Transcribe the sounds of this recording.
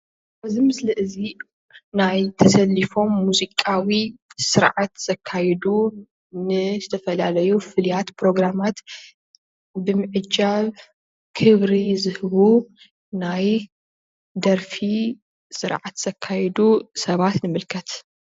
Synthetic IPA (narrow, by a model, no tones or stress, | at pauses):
bɐzimɨslɨʔɨzi | najt̪ʰɐsɐlːifo̞mːuzikʼawisɨɾʕat̪z̥ɐkʰːajɛd̪u | nɨzɨt̪ʰɐfɐlalɐjufɨlijat̪pɾo̞ɡɾamat̪ | bɨmɨʕɨd͡ʒaβ | kʰɨβɾizɨhɨβu | naj | d̪ɐɾfi | sɨɾʕat̪z̥ɐkʰːajɛd̪usɐβat̪nɨmɨlkʰɐt̪